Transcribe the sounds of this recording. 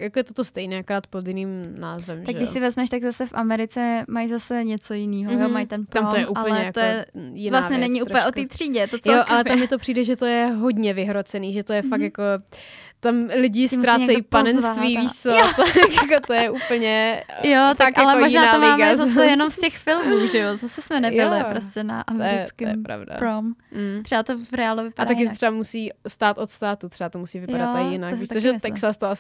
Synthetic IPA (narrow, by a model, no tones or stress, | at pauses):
jakojɛt̪ot̪ost̪ɛjnɛːakoɾaːt̪̚pod̪jɪniːmna̰ːzvɛmʒaɡɛdɪʃsɪvɛzmɛʃt̪aɡzasɛfʔamɛɾɪt͡sɛmajzasɛɲɛt͡sojɪniːɦojomajt̪ɛnt̪amot̪ojɛʔuːapl̩ɲɛjak̪ojɛjɪnvlaasvɲɛnɛɲɪʔuːpl̩ɲɛʔot̪iːt̪r̥iːɟɛt̪ot͡sjoʔalɛtamjɪt̪o̞pr̝̥iːdɛʒɛt̪ojɛɦodɲɛvɪɦɾot͡sɛniːʒɛt̪ojɛfak̪jako | t̪amlɪɟɪst̪ɾaːt͡sɛjipanɛnsst̪viːviːʃt͡sot̪ojakot̪ojɛʔuːpl̩ɲɛjot̪akʔjalɛomoʒnaːat̪ːomaɪːmɡɛzasɛjɛnomscɛxfɪlmuːʒɛjozasɛsmɛnɛbɪlɪpɾoscɛna̰ʔamjɪɛkɪmɛpɾa̰vda̰pɾom̩t̪ɾ̥ɛbat̪ovɾɛaːluvɪpaat̪akkɪt̪ot̪r̥ɛbamusiːst̪aːt̪ʔot̪st̪aːt̪ut̪r̥ɛbat̪omusiːvɪpadat̪ːakjɪnakʃoʒɛt̪ɛksast̪oas